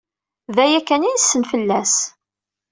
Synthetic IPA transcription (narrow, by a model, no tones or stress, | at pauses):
ðæjækːænijsːənfəlːæs